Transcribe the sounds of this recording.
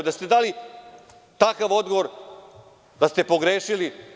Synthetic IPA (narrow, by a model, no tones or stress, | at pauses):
d̪ast̪ed̪aːli | t̪akaʋo̞d̪ɡoʋo̞ɾ | d̪ast̪e̞po̞ɡɾeːʃili